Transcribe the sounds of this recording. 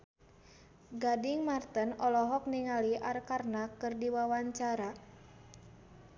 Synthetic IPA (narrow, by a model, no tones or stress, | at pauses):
ɡadiŋmart̪ənɔlɔɦɔk̚niŋaliʔarkarnakɨrdiwawaɲt͡ʃaɾa